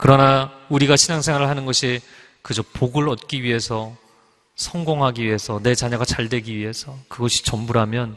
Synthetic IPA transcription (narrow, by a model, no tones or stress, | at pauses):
kɯɾʌnauɾiɡaɕʰinaŋsʰeŋwaɾɯɭhanɯnɡʌɕʰi | kɯd͡ʑopoɡɯɭʌt̚k͈iɥiɦe̞sʰʌ | sʰʌŋɡoŋɦaɡiɥiɦe̞sʰʌne̞t͡ɕaɲʌɡat͡ɕaɭdwe̞ɡiɥiɦe̞sʰʌkɯɡʌɕʰi̥t͡ɕʌmbuɾɦamjʌn